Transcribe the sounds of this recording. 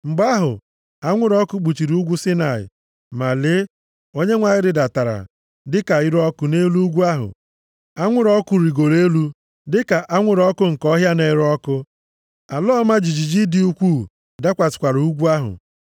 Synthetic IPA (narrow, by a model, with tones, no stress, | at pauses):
ŋ͡m̩˨ɡ͡ba˦ɦʊ̰˨ | a˦ŋʷʊ˦ɾɔ˦kʊ˦k͡pu˨t͡ʃi˨ɾi˨u˦ɡʷu˦sɪ˦na˨ɪ̰˨ | ma˨le˦ | o˦ɲe˦ŋʷa˨ɪ˦ɾɪ˨da˨ta˨ɾa̰˨ | dɪ˦ka˨ɪ˦ɾɔ˦kʊ˦ne˦lu˦u˦ɡʷu˦a˦ɦʊ̰˨ | a˦ŋʷʊ˦ɾɔ˦kʊ˦ɾi˨ɡo˨le˦lu˦ | dɪ˦ka˨ʔa˦ŋʷʊ˦ɾɔ˦kʊ˦ŋ̩˨kɔ˦ɦja˦ne˦ɾɔ˦kʊ˦ | a˨lɔː˦ma˦d͡ʒi˨d͡ʒi˨d͡ʒi˦dɪ˦u˦kʷuː˦˨ | da˦kʷa˨sɪ̥˨kʷa˨ɾu˦ɡʷu˦a˦ɦʊ̰˨